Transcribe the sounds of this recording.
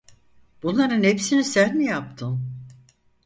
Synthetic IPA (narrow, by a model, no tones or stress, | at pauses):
b̥unlːˠaɾɯnhepsinisæɾmijap̚t̪ʰɯm